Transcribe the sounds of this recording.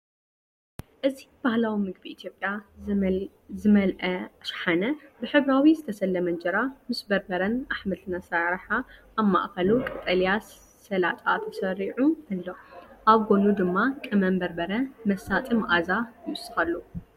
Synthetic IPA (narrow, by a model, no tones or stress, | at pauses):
ʔɨzib̥ahlawimɨɡbiʔːt̪ʰjo̞pʼja | zɨmɐlʔɐʃħanɐbɨħɨβɾawizɨt̪ʰɐsɐlːɐmɐnd͡ʒɐɾamɨsbɐɾbɐɾɐnaħmɐlt̪ʰɨnasaɾħaː | ma̰ʔkɐlukʼɨt̪ʼɐlijasː | ɐlat̪ʼat̪ʰɐsɐɾiʕuɐlːoʔaβɡo̞nud̪ɨmːakʼɨmɐmbɐɾbɐɾɐmɐsat̪ʼɨmʔazajɨʔʊsːɨ̥xɐlːu